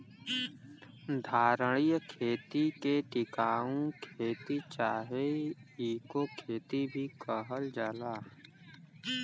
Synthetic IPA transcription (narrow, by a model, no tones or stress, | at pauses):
d̪ʱaːɾəɽ̃ijkʰeːt̪ikeʈɪkaːũkʰeːt̪it͡ʃaːɦeiːkokʰeːt̪ibʱikəɦəld͡ʒaːlaː